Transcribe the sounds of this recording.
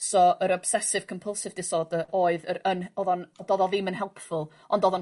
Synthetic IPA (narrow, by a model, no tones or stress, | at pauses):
sɔʔəɾɔb̥sɛsɪv̥kʰɔmpʰəlˠsɪvdɪsɔdəʔoːɨðəɾənɔðɔndɔðɔðɪmənɦɛlˠpʰfʊlˠ | ɔndɔðɔn